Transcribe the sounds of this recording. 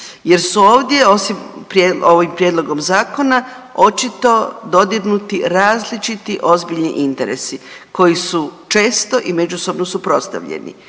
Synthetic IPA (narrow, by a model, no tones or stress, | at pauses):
je̞ɾsuo̞ːʋd̪jeo̞simpɾjeo̞ʋimpɾjed̪lˠo̞ɡo̞mzaːko̞na | o̞t͡ʃit̪o̞d̪o̞d̪iɡnut̪iɾaːzlit͡ʃit̪iʔo̞zbiʎniʔint̪e̞ɾḛsiko̞jisut͡ʃe̞ːst̪o̞ʔime̞d͡ʑuso̞bnosupɾo̞st̪a̰ʋʎḛnḭ